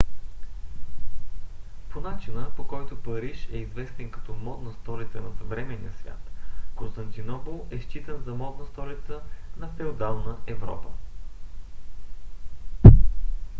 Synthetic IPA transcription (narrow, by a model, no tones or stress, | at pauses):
ponat͡ʃinəpokɔjt̪ʊpɐɾiʃɛizvɛst̪ɛnkɐ̥t̪ɔmɔd̪nəst̪ɔɾit̪sənɐsɐvɾɛmɛnḭə̰svʲja̰t̪kõnst̪ɐnt̪inɔpolˠɛʃt͡ʃit̪ənzɐmɔd̪nəst̪ɔɾit̪sənɐfɛld̪alˠnəɛvɾɔ̰pə